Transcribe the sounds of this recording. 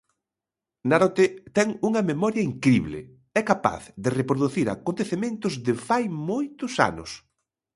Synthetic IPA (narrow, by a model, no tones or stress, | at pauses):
naɾot̪et̪ɛŋuŋɐmemɔɾjɐiŋkɾiβlɪ̰ | ɛkapa̰θðɪrepɾoðuθiɾa̰kont̪eθemẽnt̪ʊzðɪfajmojt̪ʊsa̰nʊ̰s